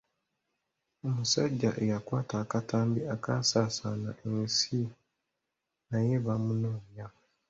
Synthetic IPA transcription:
o̞musaɟːaʔe̞jakwaːtaːkataːmbiakasaːsana̰ʔensi | naje̞βamunoːja

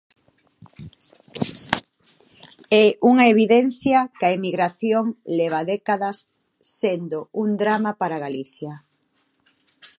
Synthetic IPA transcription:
ɛuŋaeβ̞iðɛn̟θjɐkɐemiɣɾaθjoŋlɛβ̞aðɛkaðɐsː | end̪ound̪ɾamapaɾaɣaliθja

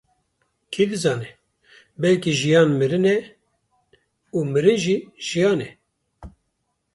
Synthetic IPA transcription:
kʰid̪ɨzɑːnɛ | bɛlkiʒijɑːnmɨɾɨnɛ | uːmɨɾɨnʒiʒ̥ijɑːnɛ

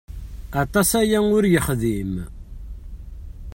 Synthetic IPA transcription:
ɑt̪ˤɑsæjæʊɾjəχðim

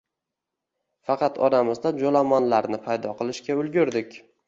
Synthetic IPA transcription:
fɑqʰɑt̪ʰɒɾamɪzd̪ad͡ʒolamɒnlaɾnɪpʰajd̪ɒqʰɨlˠɪʃkʲaʊlˠɡʲʊɾd̪ɪkʲ

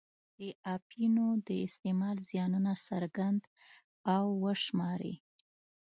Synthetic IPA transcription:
d̪̥əɑpʰinod̪əɪst̪emɑlzjɑnunasaɾɡand̪ | awːəʂmɑɾḛ

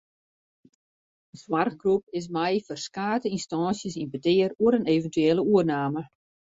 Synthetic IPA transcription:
əswarɣɡrup̚ɪs̬mɛjfɔrskaːtəinstɑːnsjəsinbətɪəruəɾəneːvəntyeːlˠəuərnaːmə

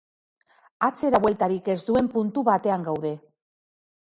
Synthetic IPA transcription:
at͡se̞ɾaβwe̞lt̪aɾike̞zd̪ue̞mpunt̪uβat̪e̞aŋɡawðe̞

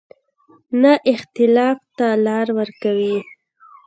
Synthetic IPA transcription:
naʔɪxt̪ɪlɑft̪alɑɾwəɾkawi

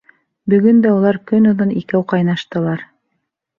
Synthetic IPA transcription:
bɵ̆ɡɵnd̪æulˠɑɾkɵnŏðonikæwqɑjnɑʃt̪ɤ̆lˠɑɾ

